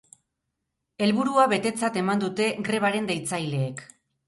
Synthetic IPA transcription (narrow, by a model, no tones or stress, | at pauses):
e̞lβuɾuaβe̞t̪e̞t͡sat̪e̞mand̪ut̪e̞ɡɾe̞β̞aɾe̞nd̪ejt͡sajle̞ːk